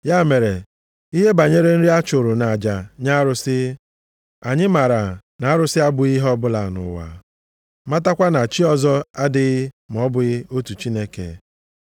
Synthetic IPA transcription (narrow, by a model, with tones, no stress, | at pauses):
ja˦˨me˨ɾe˨ | i˦ɦe˦ba˨ɲe˦ɾe˦n̩˦ɾi˦a˦t͡ʃʊ˨ɾʊ˨na˨d͡ʒa˨ɲa˦ɾʊ˦sɪ˦ | a˨ɲɪ˦ma˨ɾa˨na˨a˦ɾʊ˦sɪ˦a˦bʊ˨i˦ɦɔ˦bʊ˦la˨nʊ̰˨wa̰˨ | ma˦ta˦kʷa˦na˨t͡ʃi˦ɔ˦zɔ˦a˦dɪ˦ɣɪ˦ | m˨ɔ˦bʊ˨ɣɪ˦o˦tu˨t͡ʃi˦ne˦kḛ˨